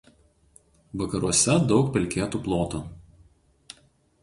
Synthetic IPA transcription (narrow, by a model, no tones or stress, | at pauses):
ʋɐkɐɾuɔsʲɛd̪ɒʊkpʲɛlʲkʲeːt̪uːplˠoːt̪uː